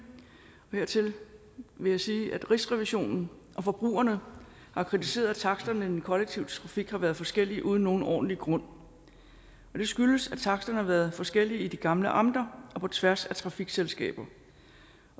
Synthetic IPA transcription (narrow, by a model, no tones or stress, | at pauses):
ɒ̽he̝ɐ̰t͡sʰe̝l | ʋe̝jɑ̈ɪsiːʔæd̥ʁisʁɛʋiɕo̝̰ːnn̩ | ʔɒ̽fɒ̽b̥ʁṵːɐnə | hɑ̈kʰʁit͡sʰise̝̰ːɐðˠæt͡sʰɑ̈ɡ̥sd̥ɐnəid̥enkʰɒ̽leɡ̥̚t͡sʰiʊt͡sʰʁɑ̈fiɡ̥hɑ̈ʋæɐð̞ˠfɒ̽sɡ̥el̰iʔuːð̞ˠn̩no̝ːn̩ʔɒ̰ːd̥n̩liɡ̥ʁɔ̽n̰ | ɒ̽d̥e̝sɡ̥yləsæt͡sʰɑ̈ɡ̥sd̥ɐnəhɑ̈ʋæɐð̞̩ˠfɒ̽sɡ̥el̰iid̥iɡ̥ɑ̈mləʔɑ̈m̰d̥ɐʔɒ̽pʰɒ̽t͡sʰʋæɐsæt͡sʰʁɑ̈fiɡ̥selsɡ̥ɛ̰ːb̥ɐ